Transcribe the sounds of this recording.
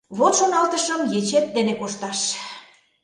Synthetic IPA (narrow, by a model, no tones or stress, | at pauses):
βot̪ʃonɑlt̪əʃəmjet͡ɕet̪̚d̪enekoʃt̪ɑʃ